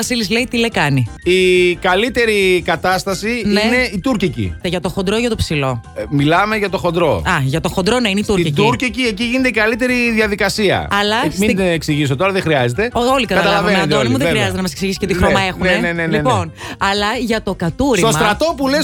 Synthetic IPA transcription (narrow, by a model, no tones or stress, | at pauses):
ɐsilizle̞it̪ilekɐniikɐlit̪e̞ɾikɐt̪ɐst̪ɐsinieneit̪uɾcicḭeʝɐt̪o̞xond̪ɾoʝɐt̪o̞psilo̞milɐme̞ʝɐt̪o̞xo̞nd̪ɾo̞ɐʝɐt̪o̞xond̪ɾo̞neineitsuɾcit̪uɾcicieciʝinet̪eikɐlit̪e̞ɾiðjɐðikɐsiɐ̰ɐlɐsmieksiʝis̬o̞t̪o̞ɾɐðexɾiɐzet̪e̞oolikɐtkɐt̪ɐlɐvvenet̪olimuðexɾiɐzet̪enɐmɐseksiʝisi̥cet̪ixɾomɐe̞xunenenenlienpo̞n | ɐlɐʝɐt̪o̞kɐt̪uɾit̪osmɐt̪ɾɐt̪o̞pule